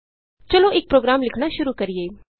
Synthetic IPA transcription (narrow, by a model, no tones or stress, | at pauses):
t͡ʃɐloʔek̚pɾoːɡɾaːmlɪkʰɽ̃aʃʊɾukɐɾieː